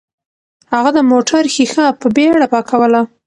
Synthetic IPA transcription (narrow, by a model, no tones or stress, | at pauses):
haɣad̪əmoʈʰaɾxixapəbeɽapɑkʰawəla